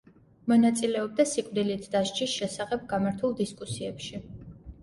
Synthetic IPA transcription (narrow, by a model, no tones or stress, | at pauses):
mɔnat̪sʼilɛɔb̚d̪asikʼvd̪ilit̪ʰd̪aʃt͡ʃʰʼisʃɛsaχɛb̚ɡamaɾt̪ʰulˠd̪iskʼusiɛpʃi